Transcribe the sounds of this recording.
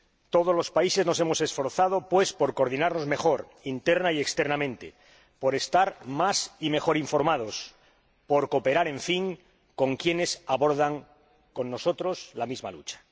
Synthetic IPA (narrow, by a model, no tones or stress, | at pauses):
t̪o̞ð̞o̞zlo̞spaise̞zno̞se̞mo̞se̞sfo̞ɾθað̞o̞pwe̞spo̞ɾkoɾðinaɾno̞zme̞χo̞ɾ | int̪eɾnaiekst̪eɾnamẽnt̪ḛ | po̞ɾe̞st̪aɾmasime̞xo̞ɾiɱfo̞ɾmað̞o̞s | po̞ɾko̞pe̞ɾaɾe̞ɱfiŋ | ko̞ŋkje̞ne̞saβo̞ɾðaŋ | ko̞nːo̞so̞t̪ɾo̞slamizmalṵt͡ʃḁ